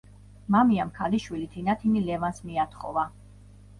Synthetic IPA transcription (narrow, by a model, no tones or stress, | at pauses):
mamiamkʰaliʃwilit̪ʰinat̪ʰinilɛvansmiat̪ʰχɔ̰va